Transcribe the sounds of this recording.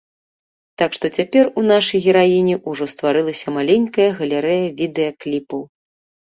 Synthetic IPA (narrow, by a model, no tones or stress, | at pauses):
t̪akʂt̪ɔt͡sʲapʲɛrunaʂɐjɣʲɛɾajinʲɛʔuʐɔst̪vaɾɨlˠɐsʲɐmalʲenʲkɐjɐɣɐlʲɛɾɛjɐvʲid̪ɛjɐklʲipɐw